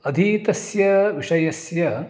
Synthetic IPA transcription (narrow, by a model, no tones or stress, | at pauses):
ɐd̪ʱit̪ɐsjɐʋiʂɐjɐsjɐ